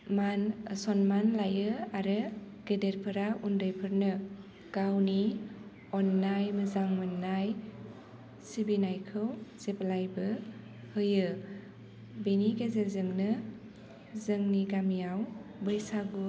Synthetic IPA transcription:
manəsɔnmanlajɯaɾɯ | ɡ̥edeɾpʰɯɾaʔundɯjpʰɯɾnɯ | ɡ̥awni | ɔnːajmɯzaŋmɯnːaj | sibinajkʰɯwz̥eplajbɯ | hɯjɯ | beniɡezezɯŋnɯ | zɯŋniɡamijawbɯjsaɡu

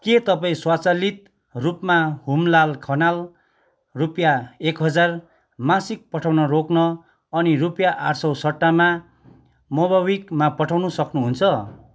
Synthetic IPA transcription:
ket̪ʌpaĩswat͡salit̪̚ | rupmaɦumlalkʰʌnal | rupjaekɦʌd͡zar | masik̚pʌʈʰawnʌroknʌ | ʌnirupjaʔarsʌwsʌʈːama | mʌbawikmapʌʈʰawnusʌknuɦunt͡sʰʌ

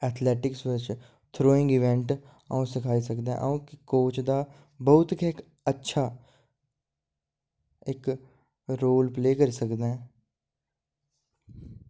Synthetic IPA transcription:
ɛːt̪ʰlɛːʈɪksʋɪt͡ʃ | t̪ʰɾoːɪŋɡɪʋɛ̃ɳʈ | ə̰ũːsɪkʰaːiːsəkd̪eɛ̰̃ːʔə̰ũːkɪkoːt͡ʃd̪aː | bəʊt̪kɪk | ətːʃʰaː | ɪk | ɾoːlpleːkəɾiːsəkd̪aːɛ̃ː

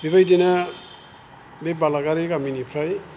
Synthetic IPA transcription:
bibajdina | bebalaɡaɾekaminipʰɾaj

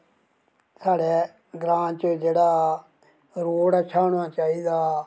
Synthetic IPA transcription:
saːɽeː | ɡɾãːnt͡ʃəd͡ʒeːɽaː | ɾoːɽət͡ʃʰaːɽaːt͡ʃaːiːd̪aː

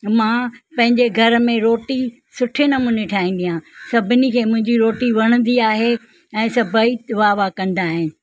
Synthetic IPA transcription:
mãːpɐ̃ɦɪ̃ɲd͡ʑeɡʱɐɾmẽɾoːʈi | sʊʈʰenɐmuːneʈʰaːĩːn̆d̪ijãsɐbʱɪnikʰeːmʊ̃ɦɪ̃ɲd͡ʑiɾoːʈiʋɐɽ̃ə̃n̆d̪iaːɦe | ɛ̃ːsɐbʱəiʋaːʋakɐ̃nd̪aːɦɪnɪ̆

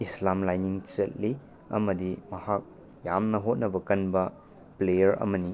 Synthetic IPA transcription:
islamlajniŋt͡ʃɐt̚li | ɐ̰mɐdimɐhak̚ | jamnɐɦot̚nɐbɐkɐnbɐ | plejɐɾɐ̰mɐni

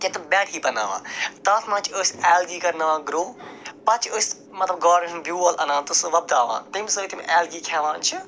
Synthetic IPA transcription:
ket̪ubɛ̃ːʈʰiːbɐna̰ːʋã̰ːt̪ɐt̪ʰmãːt͡ʃʰəːsʲɛːlɡiːkɐɾnɐʋãːɡɾoːpɐt͡ʃʰəːsʲ | mɐt̪lɐb̚ɡɔːɾɐnmbʲjuːɐlʔɐnãːnt̪usʋɐb̚d̪aːʋã̰ːt̪imsɐt̪im̰ʔɛːlɡiːkʰaːʋãːt͡ʃʰi

